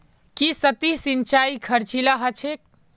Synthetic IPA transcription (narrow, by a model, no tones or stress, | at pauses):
kisət̪isint͡ʃaikʰəɾt͡ʃilaɦət͡ʃʰek̚